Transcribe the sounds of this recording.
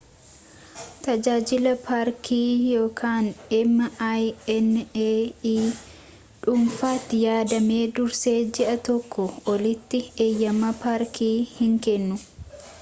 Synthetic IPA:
t̪ɐd͡ʒaːd͡ʒɪlɐpaːɾkʰiːjo̞ːkʰaːnɛmːɐajɛneːiː | ᶑʊmfaːt̪ːɪjaːd̪ɐmeːd̪ʊɾseːd͡ʒɛʔɐt̪ɔkːɔɔlɪt̪ːɪeːjːɐmɐpaːɾkʰiːhɪŋkɛnːʊ

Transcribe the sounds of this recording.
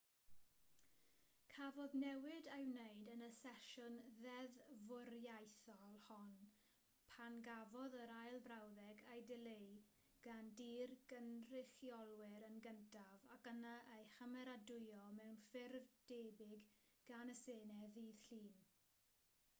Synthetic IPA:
kʰavɔðnɛwɪdajwnejdənəsɛʃʊnðɛðvʊɾjajθɔlˠhɔn | pʰanɡavɔðəɾajlˠvrɾawðɛɡajdɪlej | ɡ̥andiːrɡənr̥ɪχjɔlˠwɪɾənɡəntʰavakənaʔejhəmɛɾadʊjɔmɛwnfɪrvd̥eːbɪɡɡ̥anəseːnɛviːð̥ɬiːn

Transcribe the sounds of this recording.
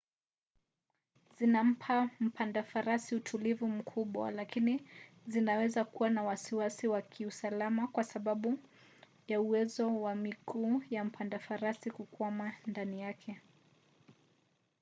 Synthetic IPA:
zinam̩pʰam̩pʰandafaɾasiutʰulivum̩kʰuɓwa̰lakini | zinawɛzakuwanawasiwasiwakʰiusalamakwasaɓaɓu | jauwɛzɔwamikuːjam̩pʰandafaɾasikukwamandanijakʰɛ

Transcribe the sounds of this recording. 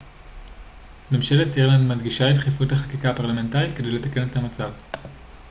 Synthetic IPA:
me̞mʃe̞letiʁlandmadɡiʃaetχefuthaχakikapaʁlame̞ntaʁitke̞dejle̞take̞nethamat͡sav

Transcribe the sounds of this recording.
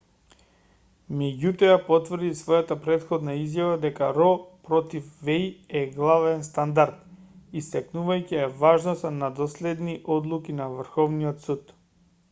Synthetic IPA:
mɛɟut̪ɔjapɔt̪vr̩d̪isvɔjat̪apɾɛt̪xɔd̪naizjavad̪ɛkaɾɔpɾɔt̪ifvɛjɛɡlˠavɛnst̪and̪aɾt̪ist̪ɛknuvajcɛɛvaʒnɔst̪anad̪ɔslɛd̪niʔɔd̪lˠukinavrxɔvniɔt̪sut̪

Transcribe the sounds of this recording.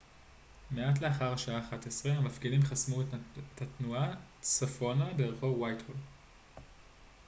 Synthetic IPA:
meat̬leaχaʁhaʃaaːχatesʁeamafɡilimχasmutʰatnuat͡sofo̞nabeːʁχovwajthol

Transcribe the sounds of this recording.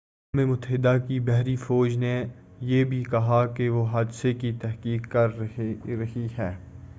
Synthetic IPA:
aːmemʊt̪əɦɪd̪akibɛɦɾifɔːd͡ʒne | jebʱikɐɦakeʋoɦaːd̪sekit̪ɛɦkiːkːɐɾɾɐɦihɛː

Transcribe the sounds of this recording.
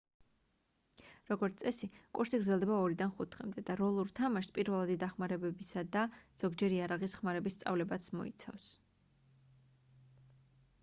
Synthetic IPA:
ɾɔɡɔɾt̪sʼɛsikʼuɾsiɡɾdzɛlˠd̪ɛbaɔɾid̪anχut̪ʰχɛ̰md̪ɛd̪aɾɔlˠuɾt̪ʰamaʃpʼiɾvɛlˠad̪id̪aχmaɾɛbɛbisad̪az̥ɔɡd͡ʒɛɾiaɾaʁisχmaɾɛbist̪sʼa̰vlɛbat̪sʰmɔ̰ḭt̪sʰa̰fs

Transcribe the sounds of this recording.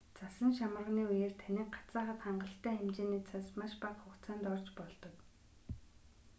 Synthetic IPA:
t͡sasə̆nʃamər̆ʁniːujer̥t̪ʰanʲĭk̚ɢḁt͡saːχə̆t̪χaɴɢə̆ɬt̪æːæmt͡ɕeːniːt͡sʰasmaʃpaχχʊkt͡sʰaːnt̪ɔrt͡ɕpɔɮt̪ɞ̆k

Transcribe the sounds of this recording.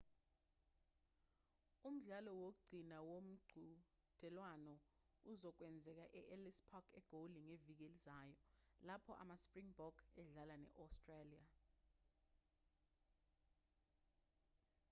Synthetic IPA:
um̩ɮalɔwok̬uɡ͡ǀʱinawom̩ɡ͡ǀʱu | d̥ʱɛlwanɔ | uzɔk̬wɛnd͡zʱɛk̬aʔɛʔɛlispʰɔkʰɛɡ̥ʱoliŋevik̬elizaːjɔlapʰɔʔa̰maspriŋbɔɡ̥ɛɮalanɛ̰ʔɔstʼrelia

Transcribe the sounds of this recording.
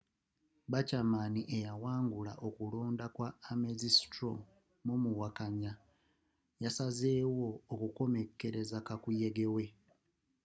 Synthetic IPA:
βacamaniʔe̞jawaːŋɡula̰ʔo̞kulo̞ːndakwaːmezistɾo | mumuwakaɲa | jasaze̞ːwo̞ːkuko̞me̞kːe̞ɾe̞zakakuje̞ɡe̞we̞

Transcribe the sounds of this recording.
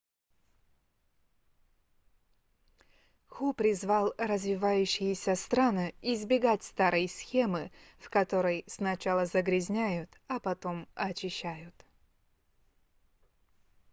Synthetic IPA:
xupɾʲɪzvalˠrəzvʲɪvajʉɕːɪjɪsʲəst̪ɾanɨɪzbʲɪɡatʲst̪aɾʔɨjsʲxʲe̞mɨ | fkɐt̪o̞ɾəjsnɐt͡ɕalˠəzəɡɾʲɪzʲnʲæjʊt̪ɐpɐt̪o̞mɐt͡ɕɪɕːæjʊt̪

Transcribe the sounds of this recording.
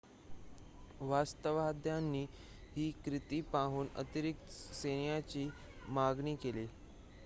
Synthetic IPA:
ʋast̪əʋad̪ʱjanːiː | ɦiːkɾit̪iːpaɦuːnə̰t̪iɾik̚t̪senjat͡ɕiː | maɡɳiːkeliː

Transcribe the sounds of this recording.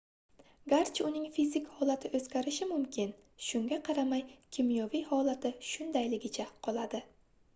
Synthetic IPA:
ɡaɾt͡ʃʊnɪŋfizɪkhɒlat̪ʰɪʔɵzɡʲaɾɪʃɪmʊmkʲʰɪn | ʃʊŋɡʲaqʰɑɾamajkʲʰimjɒvijhɒlˠat̪ʰɪʃʊnd̪ajlɪɡʲɪt͡ʃʰaqʰɒlˠad̪ɪ

